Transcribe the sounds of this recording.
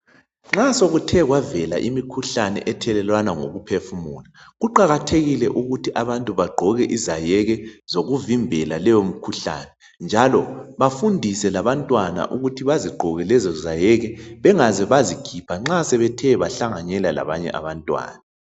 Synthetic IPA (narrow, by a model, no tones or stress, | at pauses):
ŋ͡ǁasoɣutʰɛɣwavɛla̰ʔimikʰuɬanɛ̰ʔɛtʰɛlɛlwanaŋo̰ɣupʰefumuːlaɣuǃaɣatʰeɣilɛʔuɣutʰiʔaβantʼuβaɡ͡ǃʱɔɣɛʔizajɛɣɛzoɣuvimbʱɛlalɛjom̩kʰuɬa̰ːnɛ | nd͡ʒʱalɔβafundʱisɛlaβantʼwana̰ʔuɣutʰiβaziɡ͡ǃʱɔɣɛlɛzɔzajɛɣɛβɛŋazɛβazikʰipʰaŋ͡ǁasɛβɛtʰɛβaɬaŋaɲɛlala̰βaɲɛ̰ʔa̰βantʼwa̰ːna